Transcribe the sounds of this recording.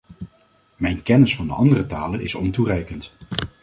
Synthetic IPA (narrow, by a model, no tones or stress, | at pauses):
mɛjnkɛnəsfɑndə̰ʔɑndərətaːlənɪ̰sɔnturɛjkənt